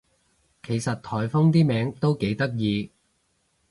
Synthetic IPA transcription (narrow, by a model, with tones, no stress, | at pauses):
kʰe˨˩jsɐ˨t̚t̪ʰɔː˨˩jfʊ˥ŋt̪iː˥mɛː˨˥ŋt̪o˥wke˨˥jt̪ɐ˥k̚jiː˨˧